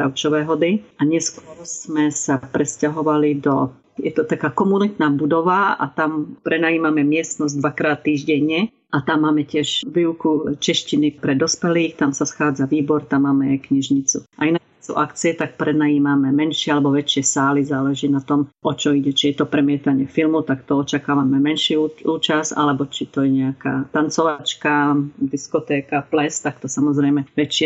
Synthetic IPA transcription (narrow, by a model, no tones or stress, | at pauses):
aʊt͡ʃɔʋɛːɦɔd̪iaɲɛskʊɔɾz̥mɛsapɾɛscaɦɔʋalid̪ɔ | jɛt̪ɔt̪akaːkɔmunit̪naːbud̪ɔʋaa̰t̪ampɾɛnajiːmamɛmɪɛst̪nɔzd̪ʋakɾaːt̪ːiːʒɟɛɲɛ | ʔat̪amːaːmɛcɪɛʃʋiːwukut͡ʃɛʃcinipɾɛd̪ɔspɛliːxt̪amsasxaːd͡zaʋiːbɔɾt̪amːaːmɛkɲiʒɲit͡suʔainakɛsṵʔakt͡siɛt̪ak̚pɾɛd̪najiːmamɛmɛnʃɪɛalɛbɔʋɛt͡ʃɪɛsaːlizaːlɛʒiːnat̪ɔmʔɔt͡ʃɔiɟɛt͡ʃijɛt̪ɔpɾɛmɪɛt̪aɲɪɛfilmut̪akt̪ɔɔt͡ʃakaːʋamɛmɛnʃiuuːt͡ʃasa̰lɛbɔt͡ʃit̪ɔjɛɲɛaka̰ːt̪ant͡sɔʋat͡ʃkad̪iskɔt̪ɛːkaplɛst̪akt̪ɔsamɔzɾɛjmɛʋɛt͡ʃɪɛ